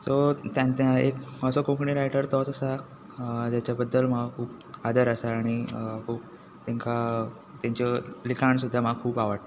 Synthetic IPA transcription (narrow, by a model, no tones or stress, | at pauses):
sot̪jãnt̪jaekəsəkõkɳiɾajʈəɾt̪ɔt͡səsa | d͡ʑ̪jat͡ɕjabəd̪ːəlmaɡkʰuːp | ad̪əɾəsaːɽ̃ikʰuːp | t̪ãŋka | t̪jãɲt͡ɕɔlikʰaɳsud̪ʱːamaɡ̚kʰuːpaʋəʈ